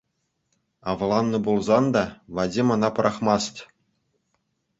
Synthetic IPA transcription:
ɑʋlˠɑnːɤ̆bulˠzɑnd̪ɑʋɑdʲimɤ̆nɑpɤ̆ɾʔɑχmɑst̪ʲ

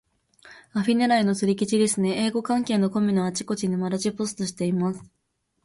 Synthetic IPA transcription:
aɸʲineɾaino̞t͡sɨɾʲik̬ʲit͡ɕid̪e̞sɨne̞eːɡo̞kãŋke̞ːnːo̞ko̞mʲinoat͡ɕi̥ko̞t͡ɕiɲ̟imaɾat͡ɕipo̞sɨ̥t̪o̞ɕi̥t̪e̞imasɨ̥

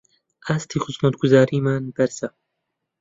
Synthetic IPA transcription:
ʔaːst̪iːxʊsmɐt̪̚ɡʊzaːɾiːmaːnbɛɾsa

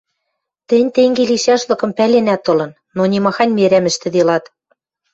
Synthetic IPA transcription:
t̪ɘ̆nʲt̪eŋɡeliʃɑʃlɤ̆kɤ̆mpælenæt̪ːɤ̆lɤ̆nːonʲemɑxɑnʲmeɾæmɘ̆ʃt̪ɘ̆d̪elɑt̪

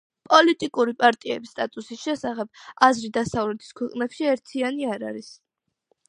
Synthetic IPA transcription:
pʼɔlit̪ʼikʼuɾipʼaɾt̪ʼiɛbist̪ʼat̪ʼusisʃɛsaχɛb̥azɾid̪asavlɛt̪ʰi̥skʰwɛqʼnɛpʃiɛɾt̪ʰianiaɾaɾis

